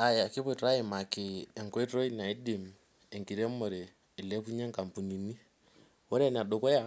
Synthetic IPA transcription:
a˨ja˨kɪ˦pɔ˦˨tɾa˦ɪ˨ma˨kɪː˨ŋkɔ˦i˦tɾo˦i˦na˨ɪ˦di˨m | ɛ˨ŋki˨ɾe˦mɔ˨ɾeː˨ | lɛ˦pu˦ɲɛ˦ŋka˨mpu˨ni˨ni˦ | wɔ˦ɾɛ˦˨n˨a˨do˨kɔ˦ja˦

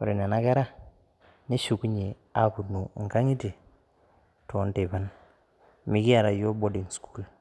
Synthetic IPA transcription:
o̰˨ɾe˨ne˨na˦ɡe˦ɾa˦ | ne˦ʃu˨ku˦ɲe˨ | a˦ku˨nu˨ŋ˨ka˦ŋi˦te˨ | to˨˦nte˨ba˦n | mi˦ɡi˦a˨ɾa˨jo˦bo˦di˨ŋsku̥˦l

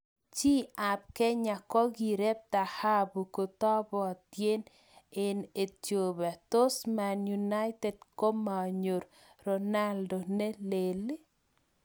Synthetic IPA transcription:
t͡ʃi˦a˨p̚kɛ˦ɲa˨kɔ˦ɡi˨ɾe˦b̚t̪a˨ha˦bu˨ko˨t̪ɔ˦bɔ˨t̪je˦n | ɪ˨ne˨tjo˨ba˨t̪o˦sma˨nju˨na˦ɪt̪ɛ˨dko˦ma˨ɲo˨ɾ | ɾɔ˨na˦ldo˨ne˦le˨li˦

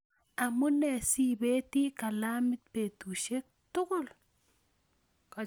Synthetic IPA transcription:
a˨mu˦nɛ˨si˦be˦t̪i˦ka˨la˦mɪ˦t̪̚pe˨t̪u˨ʃe˦k̚t̪ʊ˦ɡʊ˦˨l

